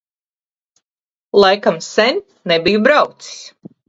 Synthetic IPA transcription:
lˠajkamsɛnʲ | nebijubɾawt̪si̥s

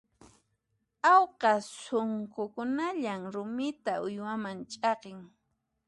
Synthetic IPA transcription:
awqɑsoŋkʊkʊnaʎaŋɾʊmɪt̪aʊjwamant͡ʃʼɑqeŋ

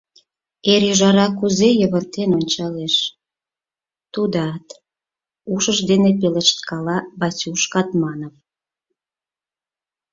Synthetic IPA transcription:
eɾjəʒɑɾɑkuzejəβərt̪enonʲt͡ɕɑleʃ | t̪ud̪ɑt̪ | uʃəʃd̪enepeləʃt̪kɑlɑbɑt͡sʲuʃkɑt̪mɑnəm

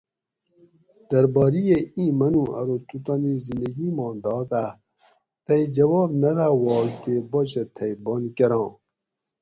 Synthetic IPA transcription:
d̪ɐɾbɑːɾijeĩːmɐnũɐ̰ɾot̪ut̪anizind̪ɐɡimɑ̃ːnd̪ɑːt̪a | t̪ɐjd͡ʑɐwɑːbnɐd̪awɔːlt̪eboɕet̪ʰɐjbonkeɾɑ̃ː

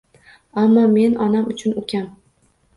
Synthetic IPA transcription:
amːɒme̞nɒnamʊt͡ʃʰʊnokʲʰan

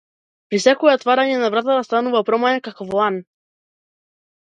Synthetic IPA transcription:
pɾisɛkɔɛɔt̪vaɾaɲɛnavɾat̪at̪ast̪anuvapɾɔmaɲɛkakɔvɔlan

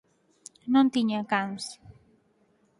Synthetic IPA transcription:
nont̪iɲakans

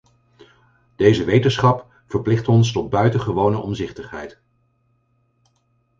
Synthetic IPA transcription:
d̥ejzəʋejtənsχɑp | fəɹplɪχtɔnstɔd̚bœɥtəχəʋownəʔɔmzɪχtəχɦɛjt

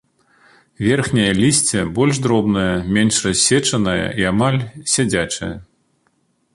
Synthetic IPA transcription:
vʲɛrxnʲɐjɐlʲisʲt͡sʲɛbɔlʲʂd̪ɾɔbnɐjɐmʲenʂrɐsʲːɛt͡ʂɐnɐjɐ̰iamalʲsʲad͡zʲat͡ʂɐ̰jɐ

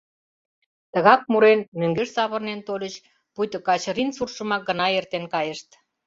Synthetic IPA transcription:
t̪əɣɑk̚muɾenmøŋɡeʃsɑβə̆rnent̪olʲət͡ɕ | pujt̪ə̆kɑt͡ɕrinsurʃəmɑk̚ɡə̆nɑert̪enkɑjeʃt̪

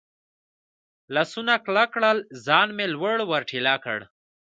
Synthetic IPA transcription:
lasunaklakɽəlzɑːnmelwəɽwəɾʈʰilakə̰ɽ

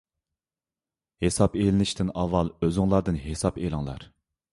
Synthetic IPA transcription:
hesɑpelɪnɪʃt̪ʰɪnɑvːɑlˠøzɪŋlˠɑɾd̪ɨnɦesɑpelˠɪŋlˠɑ̰ɾ

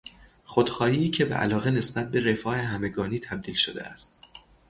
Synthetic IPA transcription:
χod̪̥xɒːhiːcʰe̞bḛʔæ̰lɒːɣene̞sbæt̪̚be̞ɾe̞fɒːheɦæme̞ɡɒːniːt̪ʰæb̚d̪iːlʃod̪ḛæ̰st̪̚

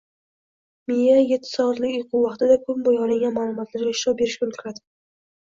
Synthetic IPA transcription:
mijajet̪ʰːɪ̥sɒɑt̪lɪkʲʊjqʰʊwɑχt̪ɪd̪akʰʊmbojɒlˠɪŋɡʲanmaːlˠʊmɒt̪ʰlaɾɡʲaɪʃɾɒp̚be̞ɾɪʃkʲaolt̪ʰʊɾad̪ɪ̥

